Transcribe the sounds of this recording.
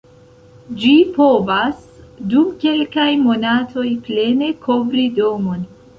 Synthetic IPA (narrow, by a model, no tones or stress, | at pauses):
d͡ʒipo̞vas | dumke̞lkajmo̞natʰo̞jple̞ne̞kʰo̞vɾido̞mo̞n